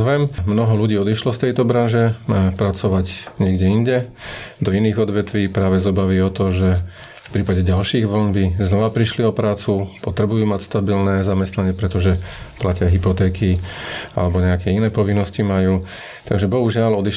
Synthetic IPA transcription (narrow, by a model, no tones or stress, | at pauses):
ʋɛmmnɔɦɔluɟiːɔd̪iʃlɔst̪ɛjt̪ɔbɾanʒɛpɾat͡sɔʋaɟɲɪɛɡɟɛiɲɟɛd̪ɔiniːɣɔd̪ʋɛt̪ʋiːpɾaːʋɛzɔbaʋiɔt̪ɔʒɛ | fpɾiːpaɟɛɟalʃiːɣʋɔnbiznɔʋapɾiʃliɔpɾaːt͡supɔt̪ɾɛbujuːmacst̪abilnɛzamɛst̪naɲɪɛpɾɛt̪ɔʒɛplacɪaɦipɔt̪ɛːkia̰lɛbɔɲɛakɛinɛːpɔʋinːɔscimajuː | t̪aɡʒɛbɔɦuʒɪalɔd̪iʃ